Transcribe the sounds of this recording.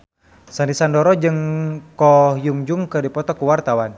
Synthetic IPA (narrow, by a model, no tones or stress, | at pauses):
sandisandɔɾɔd͡ʒɨŋkɔjuŋd͡ʒuŋkɨdipɔt̪ɔkuwart̪awan